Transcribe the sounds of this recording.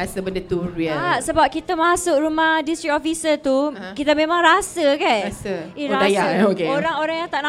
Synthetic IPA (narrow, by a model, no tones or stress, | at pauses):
asəbəndət̪uɾiəasəbap̚kit̪amasʊʔɾumahdist̪ɾik̚ofisət̪ukit̪amẽmãŋɾasəkanasaioadajaokeoɾaŋoɾaŋjaŋt̪aʔna